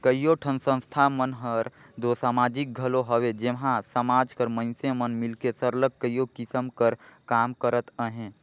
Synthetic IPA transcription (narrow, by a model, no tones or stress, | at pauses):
kəjjoʈʰənsə̃nst̪ʰamənɦəɾ | d̪oːsaːmaːd͡ʒik̚ɡʱəloɦəwed͡ʒeɦãsəmaːd͡ʒkəɾmə̃nsemənmɪlkesəɾlək̚kːəjokɪsəmkəɾkaːmkəɾət̪əɦẽː